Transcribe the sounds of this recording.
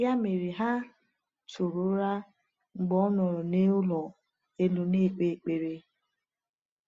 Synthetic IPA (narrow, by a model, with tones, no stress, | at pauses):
ja˦me˨ɾi˨ɦa˦ | tʰu˨ɾʊ˦ɾa˦ | ŋ͡m̩˨ɡ͡bɔ˦nɔ˨ɾɔ˨ne˦ʊ˦lɔ˨ | e˦lu˨ne˦˨k͡pe˨k͡pe˨ɾe˨